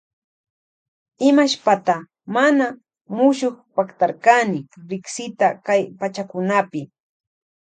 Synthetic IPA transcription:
ɪmaʃpat̪a | mana | mʊʃoχpakt̪aɾkanɪɾɪksɪt̪akajpat͡ʃakʊnapɪ

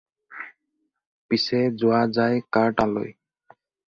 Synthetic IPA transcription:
pisɛzʊazajkaɹʈalo̰j

